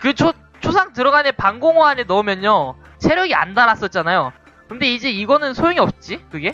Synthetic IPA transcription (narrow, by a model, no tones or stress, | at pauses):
kɯt͡ɕʰo | t͡ɕʰosʰaŋtɯɾʌɡanepaŋɡoŋoɦanenʌmjʌɲo | t͡ɕʰe̞ɾjʌɡia̰ndaɾas͈ʌt̚t͡ɕ͈anajo | kɯnde̞id͡ʑe̞iɡʌnɯnsʰojoŋiʌp̚t͡ɕ͈ikɯɡe̞